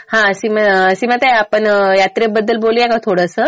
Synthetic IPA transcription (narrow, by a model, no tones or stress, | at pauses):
hãəsimaəsimət̪eapəɳjat̪ɾebəd̪ːəlboliɛkat̪ʰoɽəsə